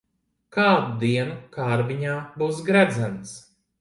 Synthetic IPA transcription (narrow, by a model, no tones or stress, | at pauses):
kaːd̪ud̪iɛnukaːɾbiɲaːbuːsɡɾæd̪zænt̪s